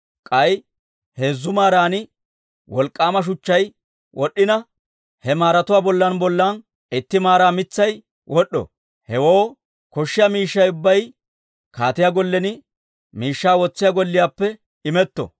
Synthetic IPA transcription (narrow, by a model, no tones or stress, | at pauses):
kʼɐj | heːzːʊmaːɾaːnɪ | wɔlkʼːaːmɐʃ̬ʊt͡ʃːɐj | wʔɔɗːɪnɐ | hɛmaːɾɐt̪ʊwaːbɔlːɐnbɔlːan | ʔɪt̪ːɪmaːɾaːmɪt͡sːɐj | wʔɔɗːɔ̰ | hɛwoː | kɔʃːɪjaːmiːʃːɐjʊbːɐj | kaːt̪ɪjaːɡɔlːɛnɪ | miːʃːaːwɔt͡sːɪjaːɡɔlːɪjaːpːɛ | ɪmɛt̪ːɔ̰